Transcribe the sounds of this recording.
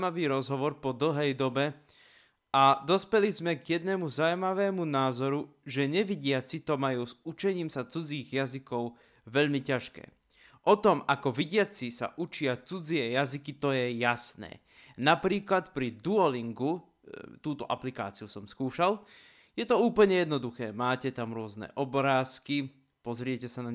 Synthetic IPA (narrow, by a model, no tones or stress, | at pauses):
maʋiːɾɔzɦɔʋɔɾpɔd̪l̩ɦɛjd̪ɔbɛ | ʔad̪ɔspɛlizmɛɡjɛd̪nɛmuzawmaʋɛːmunaːzɔɾuʒɛɲɛʋiɟɪat͡sit̪ɔmajuːzut͡ʃɛɲiːmsat͡sud͡ziːɣjazikɔʊ | ʋɛʎmicaʃkɛ̰ː | ʔɔt̪ɔmakɔʋiɟɪat͡sisa̰ʔut͡ʃɪat͡sud͡ziɛjazikit̪ɔjɛjasnɛ̰ː | napɾiːklat̪pɾid̪uɔliŋɡu | t̪uːt̪ɔʔaplika̰ːt͡siusɔmskuːʃal | jɛt̪ɔuːpl̩ɲɛjɛd̪nɔd̪uxɛːmaːcɛt̪amɾʊɔznɛ̰ʔɔbɾaːski | pɔzɾɪɛcɛsanaɲ